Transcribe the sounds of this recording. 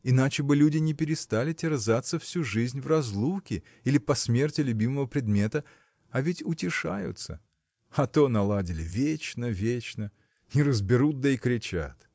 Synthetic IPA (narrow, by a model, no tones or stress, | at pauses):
ɪnat͡ɕɪbɨlʲudʲɪnʲɪpʲɪɾʲɪst̪alʲɪtʲɪrzat̪səfsʲuʐɨzʲnʲvrɐzlˠukʲɪ | ilʲɪpɐsmʲe̞rtʲɪlʲʉbʲiməvəpɾʲɪd̪mʲe̞t̪ə | ɐvʲɪtʲʊtʲɪʂa̰jʊ̰t̪sə̰ | ɐt̪onɐlˠadʲɪlʲɪ̰vʲet͡ɕnəvʲet͡ɕnə | ɪɾəzbʲɪɾut̪̚d̪əɪkɾʲɪt͡ɕa̰t̪